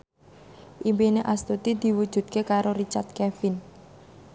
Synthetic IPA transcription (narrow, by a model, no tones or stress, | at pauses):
ʔimpineʔast̪ut̪id̪̥i̤wud̥ʒ̥ṳd̪̥̚kekaɾoɾit͡ʃart̪̚kɛfɪn